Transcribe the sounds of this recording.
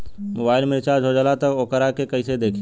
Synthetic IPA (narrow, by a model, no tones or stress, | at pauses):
mobaːɪlmɪɾɪt͡ʃaːd͡ʒʱod͡ʒəlat̪əkoːkəɾakekəɪsed̪eːkʰ